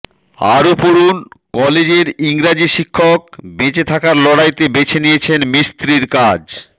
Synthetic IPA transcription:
a̰ɾopoɾunkɔled͡ʑeɾiŋɾad͡ʑiʃikʰːok̚bet͡ɕet̪ʰakaɾlɔɽajt̪ebet͡ɕʰenijet͡ɕʰenmist̪ɾiɾkad͡ʑ

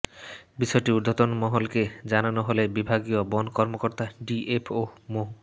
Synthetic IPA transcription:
biʃɔjʈiud̪ʱot̪onmɔɦolked͡ʑananoɦolebibʱaɡiobɔnkɔɾmokoɾt̪aɖiʔepʰomoɦ

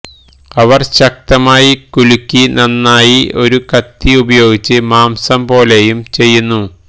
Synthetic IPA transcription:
ɐʋɐrɕɐk̚t̪ɐmaːjikulukʲːinɐnːaːjio̞ɾukɐt̪ːiubɐjo̞ːɡit͡ɕːɨmaːmsɐmpo̞ːlejumt͡ɕe̞jːunːu

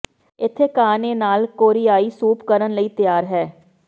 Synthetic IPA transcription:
ɪt̪ʰːeːkaːneːnaːlkoːɾijaːiːsuːpkəɾənləiːt̪ɪjaːɾɦɛː

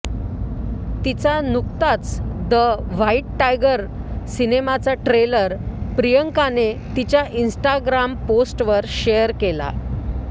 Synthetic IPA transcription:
t̪it͡sanuk̚t̪at͡sd̪əʋaiʈʈajɡəɾ | sinemat͡saʈɾeləɾpɾijəŋkanet̪it͡ɕjaʔinsʈaɡɾamposʈʋəɾɕejəɾkela̰

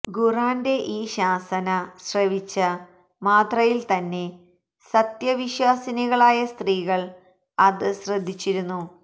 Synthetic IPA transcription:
ɡuraːnde̞ʔiːɕaːsɐnɐɕrɐʋit͡ɕːɨ | maːt̪rɐjilt̪ɐnːe̞ | sɐt̪jɐʋiɕwaːsɐniɣɐɭaːjɐst̪riːɣɐɭ | ɐðɨɕrɐd̪ʱːit͡ɕːiɾunːu

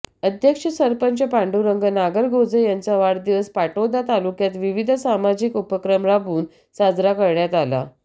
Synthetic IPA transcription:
əd̪ʱjəkʂəsəɾpəɲt͡ɕəpaɳɖuɾəŋɡənaɡəɾɡod͡zəjant͡saʋaɽd̪iʋəspaʈod̪at̪alukjat̪ʋiʋid̪ʱəsamad͡ʑikupəkɾəmɾabuːn | sad͡zɾakəɾɳjat̪ala̰

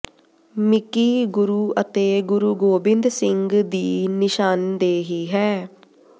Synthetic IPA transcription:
mɪkiːɡʊɾuːət̪eːɡʊɾuːɡoːbɪ̃nd̪sɪŋɡd̪iːnɪʃaːnd̪eːɦiːɦɛː

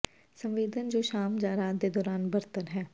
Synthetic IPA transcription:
səmʋeːd̪ənd͡ʒoːʃaːmd͡ʒaːɾaːd̪eːd̪ɔːɾaːnbəɾt̪ənɦɛː

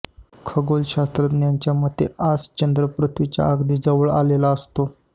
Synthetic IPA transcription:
kʰəɡolɕast̪ɾət̪njaɲt͡ɕjamət̪east͡ɕənd̪ɾəpɾut̪ʰʋit͡ɕja̰aɡd̪iːd͡zəʋəɭa̰lelaəst̪o

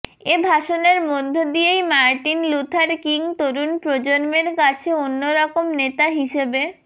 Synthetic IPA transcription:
ebʱaʃoneɾmod̪ʱːod̪ijejmaɾʈinlut̪ʰaɾkiŋt̪oɾunpɾod͡ʑoɾmeɾkat͡ɕʰeonːoɾɔkomnet̪aɦiʃebe

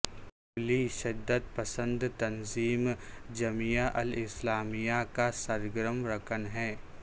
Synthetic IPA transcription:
ʊliʃɐd̪ːəd̪̚pɐsə̃nd̪t̪ɐnziːmd͡ʒɐmijaʔɐlɪslaːmijakasɐɾɡəɾəmɾɐkʰənɦɛː

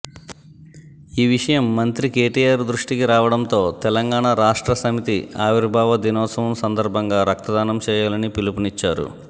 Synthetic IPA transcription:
iːʋiʂɐjɐmːɐnt̪ɾikeːʈijaːɾd̪ɾuʂʈikiɾaːʋɐɽɐnt̪o̞ːt̪ɛlɐŋɡaːɳɐɾaːʂʈɾɐsɐmit̪iaːʋiɾbʱaːʋɐd̪inɔːt̪sɐʋɐmsɐnd̪ɐɾbʱɐŋɡaːɾɐk̚t̪ɐd̪aːnɐmt͡ʃɛːjaːlɐnipilupunit͡ʃːaːɾṵ

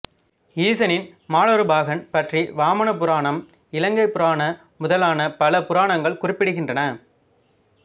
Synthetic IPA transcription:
iːsɐnɪnmaːɭɔɾɯbaːɣɐnpɐʈriʋaːmɐnɐpɯɾaːɳɐm | ɪlɐŋɡɐɪpːɯɾaːɳɐ | mʊðɐlaːnɐpɐlɐpʊɾaːɳɐŋɡɐɭkʊrɪpːɪɽɯɣɪndrɐnɐ

